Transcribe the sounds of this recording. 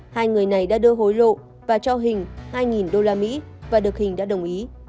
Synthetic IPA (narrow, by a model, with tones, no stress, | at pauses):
haː˧jŋɨ˨˩əjna˨˩jɗa̰ː˧˥ɗɨ˧əɦo˨˦jlo̰˧˨ | vaː˨˩t͡ɕɔ˧ɦï˨˩ŋ̟haː˧jŋi˨˩nɗo˧laː˧mḭ˧˥ | vaː˨˩ɗɨ˨˩ək̚hï˨˩ŋ̟ɗa̰ː˧˥ɗə˨˩wŋ͡mʔi˨˦